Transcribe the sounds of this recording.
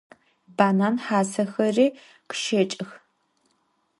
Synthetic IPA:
baːnaːnħaːsɐxɐriː | qʃɐt͡ʃʼɪx

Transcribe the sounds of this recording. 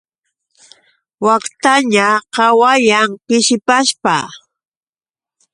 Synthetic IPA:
wakt̪aɲaqɑwajaŋpɪʃɪpaspa

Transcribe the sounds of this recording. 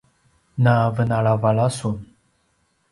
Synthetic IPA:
navənaɭavaɭasun

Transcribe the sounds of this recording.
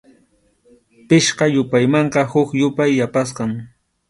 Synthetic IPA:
pɪʃqɑjʊpajmɑɴqɑhʊkjʊpajːapas̬qɑŋ

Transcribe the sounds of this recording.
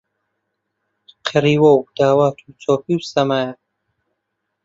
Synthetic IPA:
qʰɨɾiːwɐwd̪̥aːwaːt̪ʰut͡soːpiwsɐmaːja

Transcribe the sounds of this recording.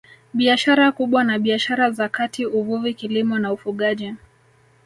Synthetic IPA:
ɓiaʃaɾakuɓwanaɓiaʃaɾazakatiuvuvikilimɔnaufuɠaʄi

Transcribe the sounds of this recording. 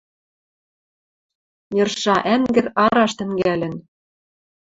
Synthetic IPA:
jɤ̆rʃɑʔæŋɡɘ̆ɾɑɾɑʃt̪ɘ̆ŋɡælɘ̆n

